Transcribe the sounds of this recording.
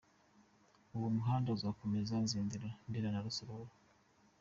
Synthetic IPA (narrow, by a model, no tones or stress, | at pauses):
uwomuɦaːndauzako̞mezanziːndiɾandiɾanaɾusoɾoβo